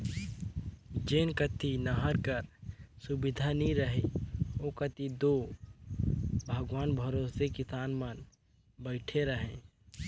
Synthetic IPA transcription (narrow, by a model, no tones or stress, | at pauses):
d͡ʒeːnkət̪inəɦəɾkəɾsʊbɪd̪ʱanĩɾəɦeokət̪id̪o | bʱəɡʋaːnbʱəɾoːsekɪsaːnmən | bəɪʈʰeɾəɦẽː